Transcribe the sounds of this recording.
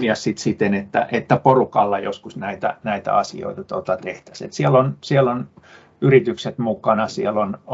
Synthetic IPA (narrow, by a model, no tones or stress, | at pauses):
iɑssit̪sit̪ːenet̪ːæ̰ʔet̪ːæporukɑlːɑjo̰skusnæit̪æ̰næit̪æ̰ɑsḭo̰it̪ɑt̪ot̪ɑt̪eht̪æ̥sḛt̪sielːonsielon | yrit̪ykset̪mukɑnɑsielon